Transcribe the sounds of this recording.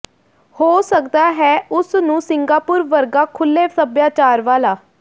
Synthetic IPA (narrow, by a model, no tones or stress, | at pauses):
hoːsəkd̪aːɦɛːʊsnũːsɪŋɡaːpʊːɾʋəɾɡaːkʰʊlːeːsəbjaːt͡ʃaːɾʋaːlaː